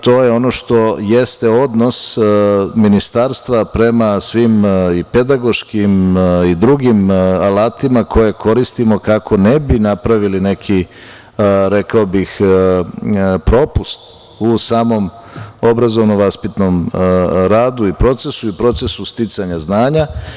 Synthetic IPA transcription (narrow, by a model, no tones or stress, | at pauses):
t̪o̞ːje̞o̞no̞ʃt̪o̞jest̪eo̞d̪no̞s | minist̪aɾst̪ʋapɾe̞masʋimipe̞d̪aɡo̞ʃkimid̪ɾuɡimalaːt̪imakʰo̞je̞ko̞ɾist̪imo̞kakʰo̞nebinapɾaʋiline̞kʰi | ɾe̞kaobix | pɾo̞pust̪ | usaːmo̞m | o̞bɾazo̞ʋnoʋaspit̪no̞mɾaːd̪uipɾo̞t̪se̞suipɾo̞t̪se̞sust̪it̪saɲaznaːɲa